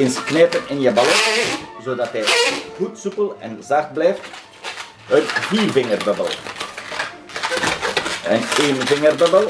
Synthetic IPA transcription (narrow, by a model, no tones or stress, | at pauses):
ɪnsknɛːtənɪnjəbɑlɔtzoːdɑtɦɛjɣutsupəlɛ̰nzɑrt̚blɛjft | ətviːrvɪŋərbəbəlˠ | əneːnvɪŋərbəbəl